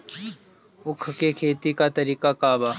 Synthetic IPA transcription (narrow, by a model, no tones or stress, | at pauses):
ʊkʰkekʰeːt̪ikat̪ɐɾiːkakaːbaː